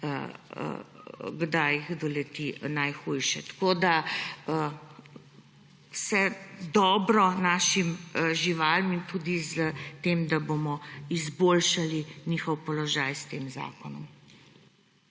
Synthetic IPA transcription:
ɡd̪ajiɣd̪ɔlɛt̪inajxujʃɛt̪ḁkod̪aə | wsɛd̪ɔːbɾɔnaːʃimʒiʋaːlmint̪ud̪izət̪eːmd̪abomɔizboːlʃalinixɔwpɔlɔʒajst̪eːmza̰ːkɔnɔm

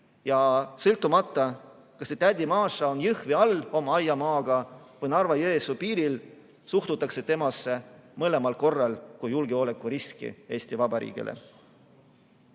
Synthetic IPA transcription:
jɑsɤlt̪ːˑumɑt̪ːˑɑ | kɑsːet̪æd̪̥ʲimɑːsɑo̞njɯhviɑlːo̞mɑɑjːɑmɑːɡ̥ɑvɤjnɑrvɑjeesupiːɾil | suht̪ut̪ːˑɑkse̞t̪e̞mɑsːe̞mɤle̞mɑlko̞rːɑlkujulɡ̥eo̞ːle̞kˑːuɾiskḭe̞ːsʲt̪ivɑbɑɾḭːɡ̥ḭlʔḛ

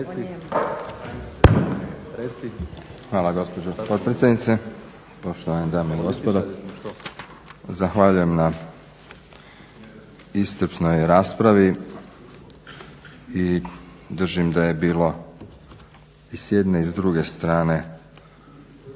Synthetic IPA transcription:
xʋaːlaɡo̞spo̞d͡ʑopo̞t̪̚pɾetsʲed̪nit̪se | po̞ʃt̪oʋaned̪aːmoiɡo̞spod̪o | zaxʋaʎuje̞mna | ist̪ɾ̩pnojɾaːspɾaʋi | i | d̪r̩ʒimd̪aje̞biːlˠo̞ | isjed̪neizd̪ɾuɡe̞st̪ɾaːne̞

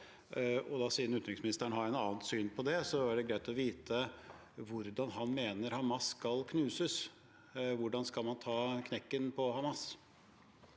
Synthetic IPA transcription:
ɔd̪ɑsiːənʉt̪ɾɪŋsmɪnɪst̪æɳəhɑɾɛnɑːnsyːnpʰɔd̪ɛsɔæɖɛɡɾæɪt̪ɔʋiːt̪ʰə | ʋʊɾd̪ɑnɦɑnmeːnəɾhɑmɑsːkɑlkʰnʉːsəs | ʋʊɖɑnskɑlmɑnt̪ʰɑːkʰnɛkːənpʰɔhɑmɑs

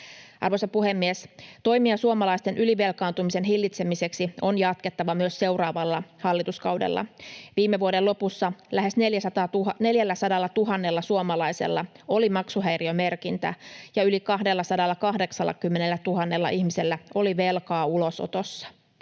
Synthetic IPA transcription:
ɑ̰rʋojsɑpuhe̞mːiest̪o̞jmiɑsuomɑlɑist̪e̞nʔyliʋe̞lkɑːnt̪umise̞nɦilːit̪se̞mise̞ksio̞njɑt̪̚ke̞t̪ːɑʋɑmyøsse̞wrɑːʋɑlːɑhɑlːit̪uskɑwdḛlːɑ̰ʋiːmːeʋuode̞lo̞pusːɑlæɦe̞sneljæsɑt̪ɑːune̞ljælːæsɑdɑlːɑt̪uɦɑnːe̞lːɑsuomɑlɑijse̞̰lːɑo̞limɑksuɦæjriome̞rkint̪æ̰jɑylikɑɦde̞lːɑsɑdɑlːɑkɑɦde̞ksɑlːɑ̰kymːenelːæt̪uɦɑnːe̞lːɑ̰ʔiçmiselːæo̞liʋe̞lkɑːulo̞so̰t̪osːɑ̥

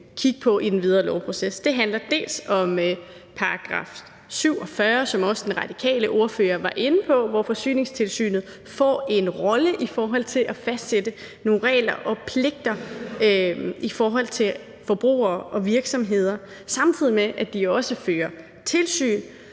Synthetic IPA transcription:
kʰiɡ̥əpʰɒ̽ʔid̥enʋið̞ˠʁɐːlɒʊpʰʁo̝sesd̥e̝ɦænlɐd̥e̝̰ːlsɒ̽m | pʰɑ̈ɑɡ̥ʁɑ̰̈f | syʊ̰ɒ̽fɶɐsɒ̽mɒ̽səd̥enʁɑ̈d̥ikʰɛ̰ːləʔo̝ɐfø̰ːɐʋɑ̈ʔe̝nəpʰɒ̽ʋɒfɒ̽sy̰ːne̝ŋst͡sʰe̝lsy̰ːnð̞̩ˠ | fɒ̰ːe̝nʁɒ̽ləʔifɒːɦɒ̽l̰t͡sʰe̝lʔæfæsd̥sed̥ə | no̝ːnʁɛ̰ːlɐʔɒ̽pʰle̝ɡ̥̚d̥ɐ | ifɒːɦɒ̽l̰t͡sʰe̝l | fɒ̽b̥ʁṵːɐːʔɒ̽ʋiɐɡ̥sɒ̽mɦe̝ð̞̰ˠɐ | sɑ̈mt͡sʰið̰ˠimeʔæd̥iɒ̽səføːɐ | t͡sʰe̝lsy̰ːn

